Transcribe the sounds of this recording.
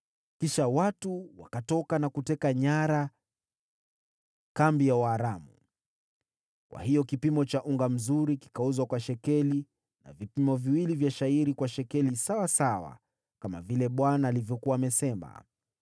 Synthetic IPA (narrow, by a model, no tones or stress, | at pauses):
kiʃawatuwakatɔkanakutɛkaɲaɾa | kambijauaɾamṵ | kwa̰hijɔkipimɔt͡ʃaʔuŋɡam̩zuɾiki̥kauzwakwaʃɛkɛli | na̰vipimɔviwilivjaʃaiɾikwaʃɛkɛlisawasawa̰ | kama̰vilɛɓwanaːlivjɔkuwaːmɛsɛma̰